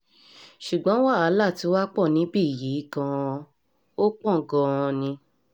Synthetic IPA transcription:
ʃu˨ɡ͡bɔ̃˨˦wa˦˨a˨˦la˦˨ti˧˦wa˦k͡pɔ˦˨nĩ˨˦bi˦˨ji˨˦˨kã˧ | o˦k͡pɔ̃˦˨ɡɔ̃˧˨ɔ̃˧nĩ˧

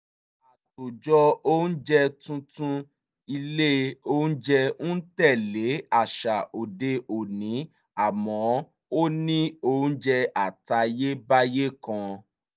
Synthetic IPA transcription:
a˨to˨d͡ʒɔ˧o˦n̩˦d͡ʒɛ˧tũ˧tũ˧ | i˧le˦o˦n̩˦d͡ʒɛ˧nũ˦tɛ˦˨le˨˦a˦˨ʃa˨o˨de˧o˨nĩ˨˦ | a˦˨mɔ̃˨˦ | o˦nĩ˦o˦˨n̩˦d͡ʒɛ˧a˨ta˧je˦ba˦je˦kã˧

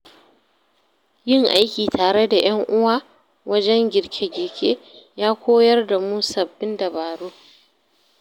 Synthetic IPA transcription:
jɪ˦ŋʔa˦jkʲiː˨taː˨ɽe˦da˨j̰ɐ˦ŋʔʊ˦waː˦ | wɐ˦d͡ʒɛ˦ŋɡʲɪ˨ɽkʲʰe˦ɡʲɪ˨ɽkʲʰeː˦jaː˦kʷoː˦jɐ˦rda˨mu˦sɐ˨bːɪ˦ndɐ˨baː˨ɽoː˦

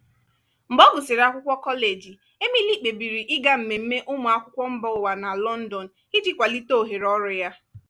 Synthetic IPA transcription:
m̩˨bɔ˦ɡʊ˨sɪ˨ɾa˦kʷʊ˦kʷɔ˦kɔ˦le˨d͡ʒi˨ | e˦mi˦li˦k͡pe˨bi˨ɾi˨ʔɪ˦ɡa˦m̩˨me˨m̩˦me˦ʔʊ˦mʊ˨a˦kʷʊ˦kʷɔ˦m̩˦bɔ˦ʊ˨wa˨na˨lɔ˦n̩˦dɔ˨n̩˨ | ɪ˦di˦kʷa˨li˦to˦o˨ɦe˨ɾɔ˦ɾʊ˨ja˦

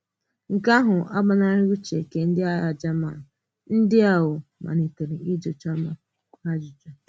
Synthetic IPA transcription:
ŋ̩˨ka˦ɦʊ˨a˦ɡ͡ba˦na˦ɾɪ˦ɾu˦t͡ʃe˨ke˨n̩˦dɪ˦a˦a˨d͡ʒa˦ma̰˨ | n̩˦dɪ˦a˨wʊ˨ma̰˨ni˨te˨ɾi˨i˦d͡ʒo˨t͡ʃa˦ma˨ | a˦d͡ʒʊ˨t͡ʃɔ˨

